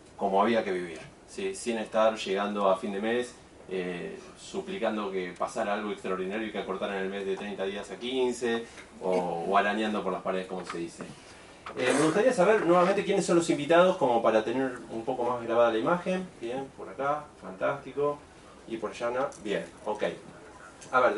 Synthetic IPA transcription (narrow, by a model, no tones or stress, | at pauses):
ko̞mo̞aβiake̞βiβiɾ | sisine̞st̪aɾʃe̞ɣand̪o̞afind̪e̞mes | esuplikand̪o̞kepasaɾaalɣo̞ekst̪ɾaoɾð̞inaɾjoikeako̞ɾt̪aɾenelme̞zðet̪ɾejnt̪aðiasakinse | oːaɾaɲjand̪o̞po̞ɾlaspaɾeðeko̞mo̞se̞ðisḛ | eme̞ɣust̪aɾiasaβeɾnwe̞βamẽnt̪ekje̞nesːo̞nlosimbit̪að̞o̞sko̞mo̞paɾat̪e̞neɾumpo̞ko̞mazɣɾaβaðalaimaxe̞nbjenpo̞ɾakafant̪ast̪iko̞ | ipoɾaʃanabjenokej | aβeɾ